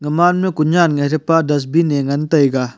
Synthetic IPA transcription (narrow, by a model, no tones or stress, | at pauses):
ŋɐmanmikuɲanŋaɾepadɐs̬bineŋɐntɐjɡa